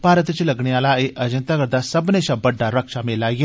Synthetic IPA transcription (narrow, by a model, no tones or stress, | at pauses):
paːɾət̪t͡ʃlɐɡɽ̃eaːlaːeʔɐd͡ʒə̃nt̪aɡəɾd̪asɐbneʃãbəɖːaɾəkʃamelaːɡe